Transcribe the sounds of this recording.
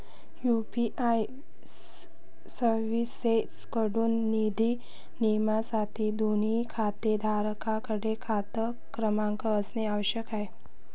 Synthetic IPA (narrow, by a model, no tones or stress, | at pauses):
jupiʔaj | səɾʋiseskəɽuːnːid̪ʱi | nimasat̪id̪ʱonikʰat̪ed̪ʱaɾəkakəɽekʰat̪ə | kɾəmãŋkəːsneaʋəɕjəkae